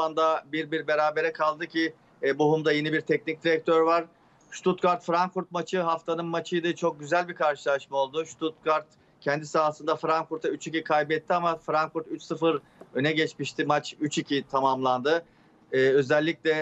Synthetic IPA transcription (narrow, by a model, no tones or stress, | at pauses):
and̪abiɾbiɾbe̞ɾaːbe̞ɾɛkʰalˠd̪ɯcʰi | buɦumd̪ajenibiɾt̪ʰɛc̚nic̚d̪iɾɛc̚t̪ʰøɾvaɾ̥ | ʃt̪ʰut̪kaɾt̪fɾaŋkfuɾt̪̚mat͡ʃʰɯɦaft̪ʰanɯnmat͡ʃʰɯjd̪ɯt͡ʃʰo̞k̚ɟyzælʲbikʰaɾʃɯlˠaʃmao̞lˠd̪ʊʃt̪ʰut̪̚kaɾt̪ | cʰɛnd̪isaːasɯnd̪afɾaŋkfuɾt̪ʰayt͡ʃicikʰajbɛt̪ʰːiamafɾaŋkfuɾt̪yt͡ʃsɯfɯɾ | ø̞nɛɟɛt͡ʃmiʃt̪ʰimat͡ʃyt͡ʃicʰit̪ʰamamlˠand̪ɯː | ø̞zɛlʲːicʲlʲɛ